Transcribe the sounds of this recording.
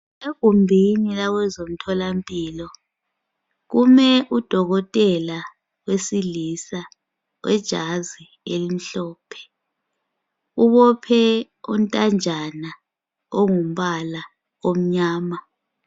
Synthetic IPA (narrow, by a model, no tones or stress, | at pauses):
eɡ̥ʱumbʱinilaɣwɛzom̩tʰɔlampʼiːlɔ | ɣumɛʔud̥ʱɔɣɔtʼɛla | wesilisa | wʔɛ̰d̥ʒ̥ʱazi | elim̩ɬɔːpʰɛ̥ | uβɔpʰɛ | un̩tʼand͡ʒʱana | oŋum̩ɓala | om̩ɲaːma